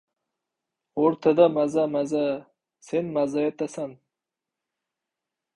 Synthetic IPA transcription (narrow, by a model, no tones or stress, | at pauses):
oɾt̪ʰad̪amazamaza | senmazajet̪asan